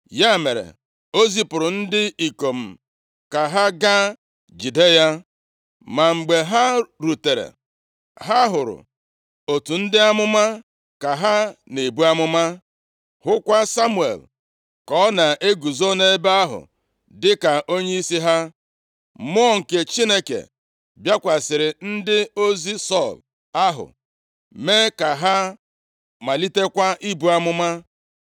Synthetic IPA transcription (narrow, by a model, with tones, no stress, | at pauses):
ja˦˨me˨ɾḛ˨ | o˦zi˦pʊ˨ɾʊ˨n̩˦dɪ˦i˨ko˨m̩˨ | ka˨ɦa˦ɡa˦ | d͡ʒi˨de˦ja˦ | ma˨ŋ͡m̩˨ɡ͡be˨ɦa˦ɾu˨te˨ɾḛ˨ | ɦa˦ɦʊ˨ɾʊ̰˨ | o˨tu˨n̩˦dɪ˦a˦mʊ˦ma˦ | ka˨ɦa˦ne˨bu˦a˦mʊ˦ma˦ | hʊ˦kʷa˦sa˦mu˦˨ḛ˨l | kɔ˦na˨ʔe˦ɡu˨zo˦ne˦e˦ba˦ɦʊ̰˨ | dɪ˦ka˨ʔo˦ɲe˦i˦si˦ɦa˦ | m˦ɔ˦ŋ̩˨ke˨t͡ʃi˦ne˦kḛ˨ | bja˦kʷa˨sɪ˨ɾɪ˨n̩˦dɪ˦o˦zi˦sɔ˦˨l | a˦ɦʊ̰˨ | me˦ka˨ɦa˦ | ma˨li˦te˦kʷa˦ʔi˦bu˦a˦mʊ˦ma˦